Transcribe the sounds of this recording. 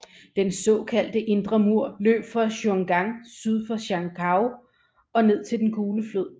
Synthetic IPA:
d̥ensɔ̽kʰæl̰d̥əʔe̝nd̥ʁɐmuɐ̰lø̰ːb̥fʁɑ̈ɕoŋɡ̥ɑ̈ŋsyð̞ˠfɑɕɑ̈ŋkʰɑ̈ʊ | ɒ̽ne̝ð̞̰ˠt͡sʰe̝ld̥enkʰuːləfløð̰ˠ

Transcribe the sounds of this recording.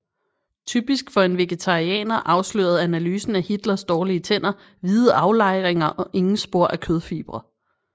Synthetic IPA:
t͡sʰyːb̥isɡ̥fɒ̽e̝nʋe̝ɡ̥et͡sʰɑ̈ʁiɛ̰ːnɐʔɑ̈ʊslø̰ːɐð̞̩ˠænælyːsn̩æhid̥lɐsd̥ɒːliət͡sʰen̰ɐ | ʋiːð̩ˠɑ̈ʊlɑ̈ɪ̰ʁeŋɐʔɒ̽ʔe̝ŋn̩sb̥o̝ɐ̰ʔækʰøð̞ˠfḭːb̥ʁɐ

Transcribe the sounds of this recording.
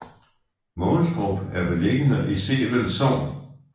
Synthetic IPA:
mɔ̽ːlsd̥ʁɔb̥æɐbe̝leɡ̥ənəʔisḛːʋel̰sɒʊ̰n

